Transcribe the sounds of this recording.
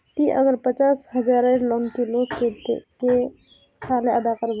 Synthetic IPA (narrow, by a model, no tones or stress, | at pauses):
t̪iʔəɡəɾpət͡ʃasɦəd͡ʒaɾəɾlɔnt̪ilokeke | t͡ʃʰaleəd̪akəɾb